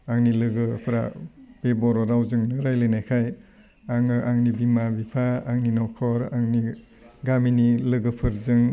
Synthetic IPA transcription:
aŋnilɯɡɯpʰɾa̰b̥ebɔɾɔɾawzɯŋnɯɾajlɯjnajkʰaj | aŋaŋnibimabipʰaaŋninɔkʰɔɾaŋni | ɡaminilɯɡɯpʰɯɾzɯŋ

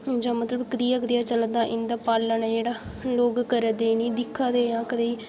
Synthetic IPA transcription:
d͡ʒãːmət̪ləbkəd̪iːakd̪eːaːt͡ʃələd̪aːʔɪnd̪aːpaːlːənɛːd͡ʒeːɽaː | loːɡkəɾəd̪eːniːd̪ɪkʰːaːd̪eːjãːkəd̪eiː

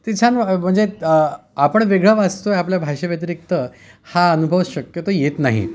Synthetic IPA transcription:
t̪it͡ɕʰanm̤əɳd͡ze | apəɳʋeɡɭəʋat͡st̪ojapljabʱaɕaʋjət̪əɾik̚t̪ə | haənubʱəʋɕəkjət̪ojet̪naɦḭ

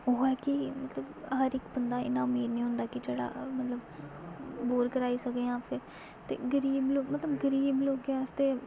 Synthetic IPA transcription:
oɦɛːkɪmət̪ləbɦəɾɪkbənd̪aːɪ̰nãːʊmiːd̪nĩːɦʊ̃nd̪aːkɪd͡ʒeːɽa̰ːmət̪ləb | boːɾkəɾaːiːsəkd̪eːãːpʰɪɾ | t̪ḛːɡəɾiːbloːkmət̪ləbɡəɾiːbloːkɛəst̪eː

